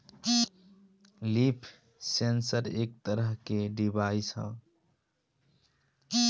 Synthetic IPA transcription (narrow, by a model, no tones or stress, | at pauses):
lipʰ | sensəɾek̚t̪əɾəɦkeɖibaisə̰̃